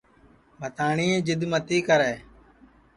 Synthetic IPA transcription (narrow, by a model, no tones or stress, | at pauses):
bʱət̪aːɳiːeːd͡ʒɪd̪mət̪iːkəɾɛː